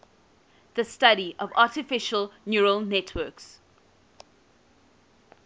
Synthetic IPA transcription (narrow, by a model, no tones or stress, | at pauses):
ðəstaɾiʔɔvaːˑtɪfɪʃəlnjuːɹəlˠnɛtʰwɜks